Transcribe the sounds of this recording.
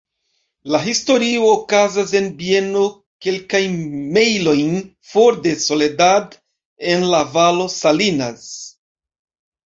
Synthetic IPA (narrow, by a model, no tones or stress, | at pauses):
laɦisto̞ɾio̞ːkazas̬e̞nbie̞no̞ | ke̞lkajnme̞jlo̞jn | fo̞ɾde̞so̞le̞dad | e̞nlavalo̞salinas